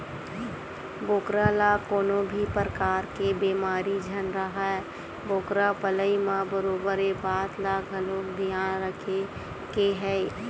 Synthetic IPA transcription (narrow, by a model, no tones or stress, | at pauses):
boːkɾalakoːnõbʱipɾəkaːɾkebeːmaːɾid͡ʒʱənɾəɦaɛ | boːkɾapələimãbəɾoːbəɾebaːt̪laɡʱəloːkd̪ʱijaːnɾəkʰe | keɦɛ